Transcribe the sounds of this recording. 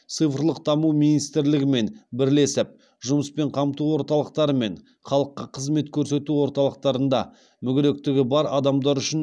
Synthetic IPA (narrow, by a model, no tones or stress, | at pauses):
t̪sɨjfɾlˠəq̚d̪ɑmumijnijst̪ɪɾlɪɡʲɪme̞nbɪɾle̞sɪp̚ | ʒʊməspe̞ɴqʰɑmt̪uwo̞ɾt̪ɑlˠəq̚t̪ɑɾəme̞ɴ | χɑlˠəqːɑqʰəzme̞t̪kʲʰɵɾse̞t̪uwo̞ɾt̪ɑlˠəq̚t̪ɑɾənd̪ɑ̰ | mʏɡʲɪɾe̞k̚t̪ɪɡʲɪbɑɾɑd̪ɑmd̪ɑɾʏʃɪn